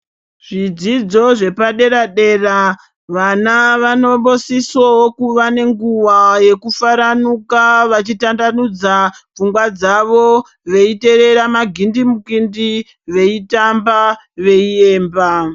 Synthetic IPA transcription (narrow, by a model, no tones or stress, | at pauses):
ʐ̥id͡zid͡zo̞ʐe̞paɗe̞ɾaɗe̞ːra | ʋanaʋano̞ɓo̞sisookuʋane̞ŋɡuʋaje̞kufaɾanukaʋat͡ʃitandanud͡zab͡vuŋɡwad͡zaʋo̞ | ʋe̞ite̞ɾe̞ɾamaɡʱindimukindi | ʋe̞itamba | ʋe̞ie̞ːmba